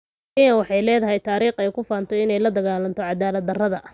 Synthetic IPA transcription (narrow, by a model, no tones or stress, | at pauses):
ɪjɐwɑħɑjlɛːðɐɦɛjt̪ʰaːɾiːχɛjkʰʊfaːnt̪ʰɔɪnɛjlɐd̪ɐɣaːlɐnt̪ʰɔʕɑd̪aːlɐd̪ːɐrɐðɐ